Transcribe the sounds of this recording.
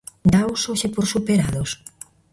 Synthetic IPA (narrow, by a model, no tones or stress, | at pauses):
nawsoʃepoɾsupeɾaðos